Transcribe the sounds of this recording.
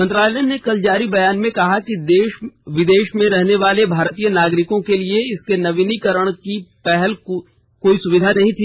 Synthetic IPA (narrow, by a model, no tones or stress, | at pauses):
mɐ̃nt̪ɾaːllɛnɖnekɐld͡ʒaːɾibɐjaːnmẽkɐɦakid̪eːʃʋɪd̪eːʃmẽɾɛɦneʋaːlebʱaːɾt̪iːjənaːɡɾɪkõkelieɪskenɐʋinikɐɾəɽ̃kipɛɦɛl | koːisʊʋɪd̪ʱanɐɦĩt̪ʰiː